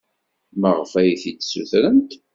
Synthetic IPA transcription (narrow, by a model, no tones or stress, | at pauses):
məʁəfæjθit͡sːsuθɾənt̪